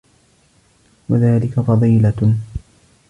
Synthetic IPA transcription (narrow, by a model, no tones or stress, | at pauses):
waðaːlɪkafɑðˤiːla